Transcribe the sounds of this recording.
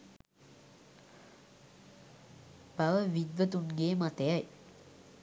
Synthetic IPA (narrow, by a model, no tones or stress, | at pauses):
b̥aʋəʋid̪ʋət̪unɡeːmat̪əjaj